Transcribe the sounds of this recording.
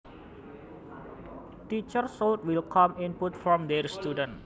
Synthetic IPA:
tit͡ʃərsolt̪̚wilkʰɔminput̪fɾɔmd̪ɛrst̪udən

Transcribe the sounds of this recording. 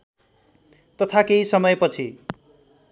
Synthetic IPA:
t̪ʌt̪ʰakeɦisʌmʌjpʌt͡sʰi

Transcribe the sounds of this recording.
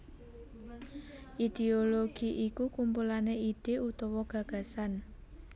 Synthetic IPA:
ʔid̪̥eoloɡ̥iʔikukumpulaneid̥e̤ut̪ɔwɔɡ̥ä̤ɡ̥a̤san

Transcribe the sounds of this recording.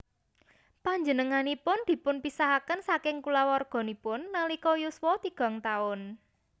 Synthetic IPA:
paɲd͡ʒənəŋanipʊnd̪̥i̤pʊnpisaɦakənsakɪŋkulawɔrɡ̥ɔ̤nipʊnːalikɔjuswɔt̪iɡ̥ɔ̤ŋt̪aʊn

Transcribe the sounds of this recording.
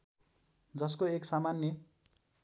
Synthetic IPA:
d͡zʌskoeksamanjʌ

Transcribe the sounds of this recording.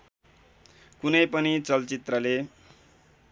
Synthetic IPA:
kunʌjpʌnit͡sʌlt͡sit̪rʌle

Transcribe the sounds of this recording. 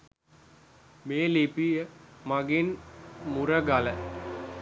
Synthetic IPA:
meːlipijəmaɡinmuɾəɡalə

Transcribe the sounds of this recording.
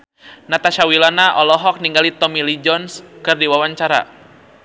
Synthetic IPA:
nat̪aʃawilanaʔɔlɔɦɔk̚niŋɡalit̪ɔmilid͡ʒɔnskɨrdiwawaɲt͡ʃaɾa̰

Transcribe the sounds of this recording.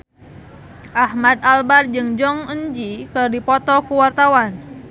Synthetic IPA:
ʔahmad̪̚albard͡ʒɨŋd͡ʒɔŋəɲd͡ʒikɨrdipɔt̪ɔkuwart̪awan

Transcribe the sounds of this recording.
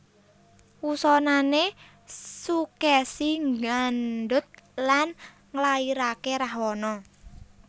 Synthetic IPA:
wusɔnane | sukɛsiŋɡanɖʊt̪̚lan | ŋəlaiɾakeɾaɦwɔnɔ

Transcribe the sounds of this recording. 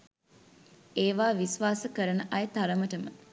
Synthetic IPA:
eːʋaːʋisʋaːsəkəɾənəʔɐjət̪aɾəməʈəmə

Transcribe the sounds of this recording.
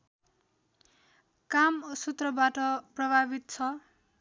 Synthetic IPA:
kamsut̪rʌbaʈʌprʌbʱabit̪̚t͡sʰʌ

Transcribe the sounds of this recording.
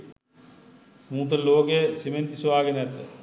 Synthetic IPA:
muːt̪̬əloːkejsiment̪isuʋaːɡenɛt̪ə

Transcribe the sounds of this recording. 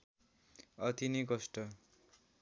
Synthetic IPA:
ʌt̪inikʌsʈʌ

